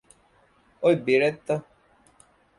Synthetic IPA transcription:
oibeɾɛt̪ɔ

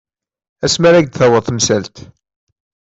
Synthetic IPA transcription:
æsmæɾæɡd̪θæwəðˤθmsælt̪

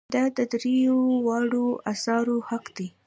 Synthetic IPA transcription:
d̪ɑd̪əd̪ɾejowɑɽoasɑɾohaqd̪i

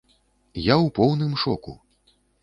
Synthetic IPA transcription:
jawpɔwnɨmʂɔ̰kṵ

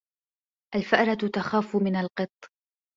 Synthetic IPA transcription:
ʔalfɪʔɾˤɑt̪axaːfʊmɪnalqɨt̪ˤː

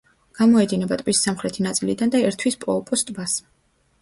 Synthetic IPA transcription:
ɡ̥amɔɛd̪inɛbat̪ʼvisːamχɾɛt̪ʰinat̪sʼilid̪and̪aɛɾt̪ʰwispʼɔpʼɔst̪ʼbas

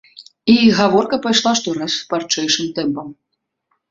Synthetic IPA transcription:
iɣavɔrkɐpajʂlˠaʂt̪ɔɾaspart͡ʂɛjʂɨmt̪ɛmpɐm

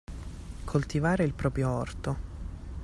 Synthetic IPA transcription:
kʰolt̪ivaːɾeilpɾɔːpɾjoɔrt̪o

